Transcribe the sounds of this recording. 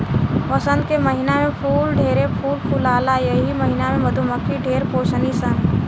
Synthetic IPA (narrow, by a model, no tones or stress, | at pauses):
pəsə̃nd̪̚keməɦɪnamẽpʰuːlɖʱeːɾepʰuːlpʰuːlaːlajəɦiməɦɪnamẽməd̪ʱuməkʰiɖʱeːɾpoːʃənisa